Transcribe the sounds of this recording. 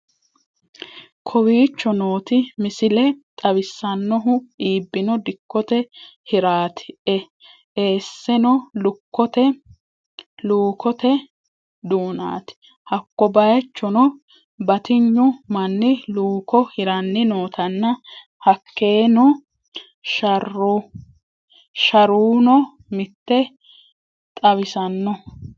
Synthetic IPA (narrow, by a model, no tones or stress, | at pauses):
kʰɔwiːt͡ʃːɔno̞ːt̪ɪmɪsɪlɛt̪ʼɐwɪsːɐnːɔɦʊiːbːɪnɔd̪ɪkːɔt̪ɛhɪɾaːt̪ɪ̥ɛ | eːsːɛnɔlʊkːɔt̪ɛ | luːkɔt̪ɛ | d̪uːna̰ːt̪ɪ̥ | hɐkːɔbɐjɛt͡ʃːɔnɔ | bɐt̪ɪɲːʊmɐnːɪluːkɔhɪɾɐnːɪnoːt̪ɐnːɐ | hɐkːe̞ːnɔ | ʃɐrːu | ʃɐɾuːnɔ | mɪt̪ːɛ | t̪ʼɐβɪsɐnːɔ